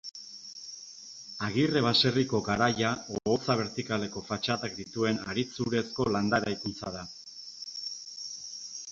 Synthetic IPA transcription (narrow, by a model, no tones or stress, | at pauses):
aɣire̞βase̞riko̞ɡaɾajaoot͡saβ̞e̞ɾt̪ikale̞ko̞fat͡ʃat̪akd̪it̪ue̞naɾit͡suɾe̞sko̞land̪aeɾajkunt͡saða